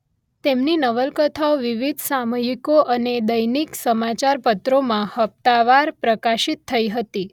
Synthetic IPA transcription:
t̪emninəʋəlkət̪ʰaoʋiʋid̪ʱsaməjikoʔəned̪əjniksəmat͡ʃaɾpət̪ɾomãhəp̚t̪aʋaɾpɾəkaʃit̪ʰːəiɦət̪i

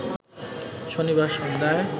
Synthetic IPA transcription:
ʃoniβaɾʃɔnd̪ʱae

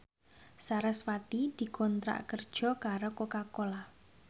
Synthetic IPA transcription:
saɾɛswat̪id̪̥i̤kɔnt̪ɾa̰ʔkərd̥ʒ̥ɔ̤kaɾokokakola

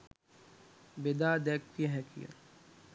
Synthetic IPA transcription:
bed̪aːd̪ɛkːijəɦɛkʰḭjə̰

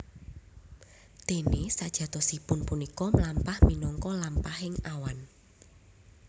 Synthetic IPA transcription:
d̪̥e̤nesad̥ʒ̥ä̤t̪ɔ̤sipʊnpunikɔmlampahminɔŋkɔlampahɪŋawan

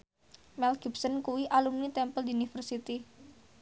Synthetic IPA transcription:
mɛlɡipsənkuwiʔalumnit̪ɛmpəld̪iunifərsit̪i

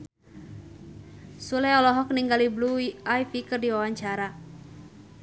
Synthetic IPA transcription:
sulɛɔlɔɦɔk̚niŋɡalibluiajfikɨrdiwawaɲt͡ʃaɾa

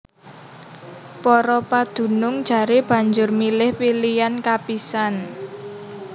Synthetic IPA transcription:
pɔɾɔpad̪̥ṳnʊŋd̥d͡ʒ̥a̤ɾeb̥a̤ɲd͡ʒʊrmilɪhpilijankapisan

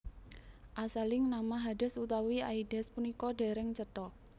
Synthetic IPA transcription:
ʔasalɪŋnamaɦadɛ̤sut̪awiaidɛspunikɔɖaɾɛŋt͡ʃət̪ɔ

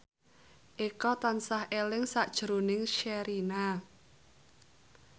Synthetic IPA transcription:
ʔekɔt̪ansahelɪŋsaʔd̥ʒ̥ɾonɪŋʃɛɾina

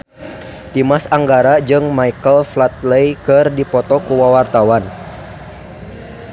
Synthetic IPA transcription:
dimasaŋɡaɾad͡ʒɨŋmaikəlflat̪̚lejkɨrdipɔt̪ɔkuwawart̪awan

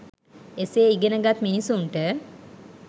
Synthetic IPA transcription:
eseːiɡenəɡat̪minisunʈə

